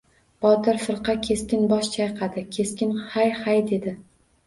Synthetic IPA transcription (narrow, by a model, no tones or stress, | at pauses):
b̥ɒt̪ɪɾfɨɾqʰɑkʲʰe̞skʲɪnbɒʃt͡ʃʰajqʰɑd̪ɪkʲʰe̞skʲɪnhajhajd̪e̞d̪ɪ